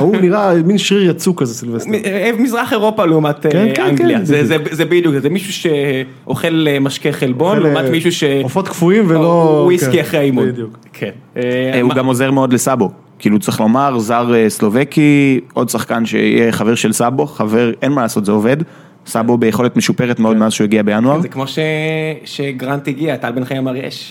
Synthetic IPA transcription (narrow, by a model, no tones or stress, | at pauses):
uniʁaminʃʁiʁjat͡sukazesilveievmizʁaχe̞ʁo̞paleumat̪eɡaŋɡliazezezebid̪jukzemiʃuʃe̞ | ʔoχe̞lmaʃkeχelbo̞nleumatmiʃuʃeofot̪kfuimvelouisiaχeimou | kʰenuɡamozeʁmeo̞dlesabo̞ | kiːlut͡sʁiχlo̞maʁzaʁeslo̞vekiʔo̞dsaχkanʃeḭjeχaveʁʃelsabo̞χaveʁenmalaːso̞t̪zeo̞ve̞d | sabo̞bejeχo̞letmeʃupeʁetmeo̞d̪meazʃeuiɡiabejanuaʁzekmo̞ʃeʃeɡʁantiɡiatalbenχaamaʁjḛʃ